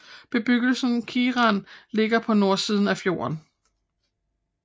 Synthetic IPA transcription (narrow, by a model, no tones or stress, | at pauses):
b̥e̝b̥yɡ̥l̩sn̩kʰiːʁɑ̈nle̝ɡ̥ɐpʰɒ̽no̝ɐsiːð̞ˠn̩æfjo̝̰ːɐn